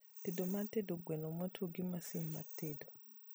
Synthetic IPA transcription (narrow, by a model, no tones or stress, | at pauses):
tedɔmatedɔɡwɛnɔmɔtʰoɡimasimːa̰tedɔ